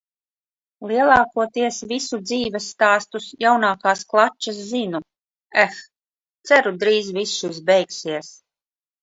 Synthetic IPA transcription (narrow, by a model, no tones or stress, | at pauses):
lˠiɛlˠɑːkuɔt̪iɛsvisud̪ziːvʲɛsːt̪aːst̪usjawnaːkaːsklˠat͡ʃːas̬zinu | æx | t̪sæɾud̪ɾiːzvisʃizbɛjksiɛs